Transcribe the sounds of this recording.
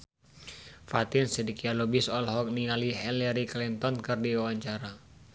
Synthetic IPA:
fat̪ɪnsɛdikialɔbisɔlɦɔk̚niŋaliɦɛlɛɾiklint̪ɔnkɨrdiwawaɲt͡ʃaɾa

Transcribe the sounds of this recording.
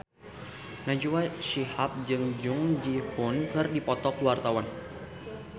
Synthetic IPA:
nad͡ʒuwaʃihap̚d͡ʒɨŋd͡ʒʊŋd͡ʒihunkɨrdipɔt̪ɔkəwart̪awan

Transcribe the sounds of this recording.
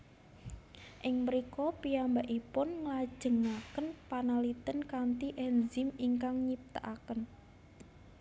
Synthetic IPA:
ʔɪŋməɾikɔpiambaʔipʊnŋəlḁʒ̥əŋakənpanalit̪ənkant̪iʔɛnzɪmiŋkaŋɲip̚t̪a̰ʔakən

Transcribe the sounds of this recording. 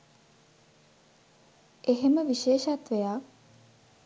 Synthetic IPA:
eɦeməʋiʃeːʃat̪ʋejak

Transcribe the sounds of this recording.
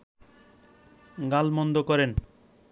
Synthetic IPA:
ɡalmɔnd̪okɔɾen

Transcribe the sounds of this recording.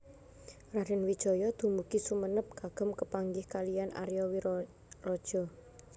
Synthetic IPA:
raɾɛnwid̥ʒ̥ɔ̤jɔd̪̥ṳmukisumənəp̚kaɡ̥ə̤mkəpaŋɡɪhkalijanʔa̰ɾjɔwi | rɔd̥ʒ̥ɔ̤

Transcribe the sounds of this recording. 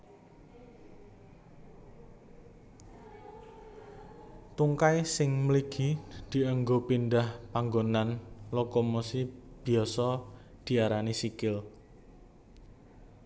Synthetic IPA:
t̪uŋkajsɪŋməliɡ̥id̪̥i̤əŋɡopind̪ahpaŋɡonanlokomosib̥i̤ɔsɔ | d̪̥i̤aɾanisikɪl

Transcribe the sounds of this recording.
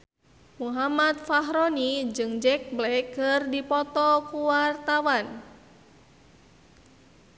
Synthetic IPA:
muɦamat̪̚faɦɾɔnid͡ʒɨŋd͡ʒɛk̚blɛkːɨrdipɔt̪ɔkuwart̪awan

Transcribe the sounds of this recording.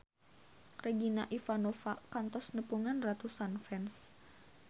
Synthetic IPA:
reɡinaʔifanofakant̪ɔsnəpuŋanrat̪usanfɛns

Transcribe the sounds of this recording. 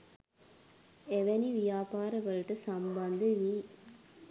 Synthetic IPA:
eʋɛniʋijaːpaːɾɐʋɐlʈɨsɐmbɐnd̪ɨʋi

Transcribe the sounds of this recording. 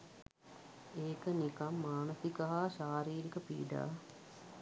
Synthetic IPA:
eːkənikamːaːnəsikəɦaːʃaːɾiːɾikəpḭːɖa̰ː

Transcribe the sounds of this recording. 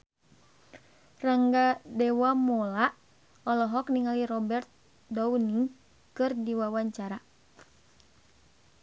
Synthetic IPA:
raŋɡadɛwamɔlaʔ | ɔlɔɦɔkniŋaliɾɔbɛrt̪̚ | dɔuni | kɨrdiwawaɲt͡ʃaɾa

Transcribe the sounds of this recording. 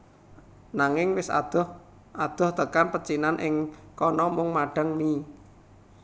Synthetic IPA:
naŋɪŋwɪsa̰d̪̥ɔh | ʔad̪̥ɔ̤ht̪əkanpət͡ʃinanʔɪŋkɔnɔmʊŋmaɖ̥ə̤ŋni

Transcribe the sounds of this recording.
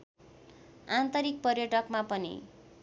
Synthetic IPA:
ant̪ʌɾik̚pʌrjʌʈʌkmapʌnḭ

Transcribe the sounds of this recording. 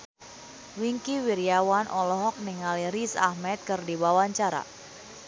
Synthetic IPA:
wiŋkiwiɾiawanʔɔlɔɦɔk̚niŋalirisa̰hmɛt̪̚kɨrdiwawaɲt͡ʃaɾa̰

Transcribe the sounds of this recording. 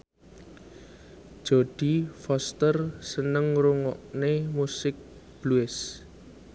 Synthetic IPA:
ʒ̥od̪̥ifɔst̪ərsənəŋɾuŋɔʔnemusɪk̚b̥luɪs

